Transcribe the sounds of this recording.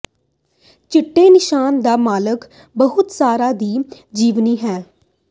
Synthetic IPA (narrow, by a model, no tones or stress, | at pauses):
t͡ʃɪʈːeːnɪʃaːnd̪aːmaːlək | bəɦʊt̪saːɾaːd̪iː | d͡ʒiːʋniːɦɛː